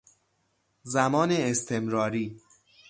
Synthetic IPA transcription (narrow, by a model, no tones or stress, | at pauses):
zæmɒːneːst̪ʰe̞mɾɒːɾiː